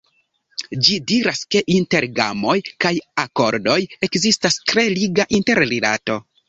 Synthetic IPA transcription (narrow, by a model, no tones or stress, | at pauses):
d͡ʒidiɾaske̞ʔinte̞ɾɡa̰mo̞jkajako̞ɾdo̞je̞kzistastɾe̞liɡaʔinte̞ɾɾila̰to̞